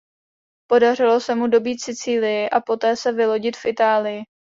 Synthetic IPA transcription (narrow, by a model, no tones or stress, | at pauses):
po̞dar̝ɪlo̞sɛmudo̞biːt̪sɪt͡siːlɪjɪʔapo̞t̪ɛːsɛvɪlo̞ɟɪt̪fʔɪt̪aːlɪjɪ